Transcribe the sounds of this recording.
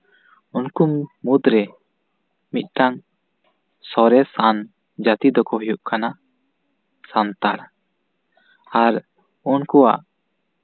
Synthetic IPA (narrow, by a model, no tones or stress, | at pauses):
unkummud̪ɾɛ | mit̪̚ˀʈaŋ | sɔɾɛsan | d͡ʒat̪id̪ɔkɔɦɔjuʔkana | sant̪aɽ | aɾ | unkua̰ʔ